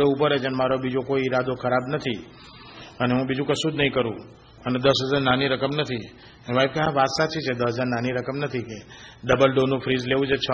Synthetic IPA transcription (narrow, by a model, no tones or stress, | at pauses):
eupəɾed͡ʒənemaɾobid͡ʒokoiːɾad̪okʰəɾabnət̪ʰi | əneɦũbid͡ʒũkəsud̪nəɦĩkəɾṵ̃ | əned̪əsʋəd͡ʒaɾnaniɾəkəmnət̪ʰi | eʋaib̚keɦãʋat̪sat͡ʃit͡ʃʰed̪əsəd͡ʒaɾnaniɾəkəmnət̪ʰikeɖəbəlɖonũfʰɾizleʋũd͡ʒət͡ʃʰo